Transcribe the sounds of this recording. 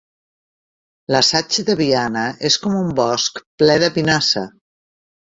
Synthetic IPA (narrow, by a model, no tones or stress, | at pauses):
ləsat͡ʃəðəβianəʔeskɔmumbɔskplɛðəpinasə̰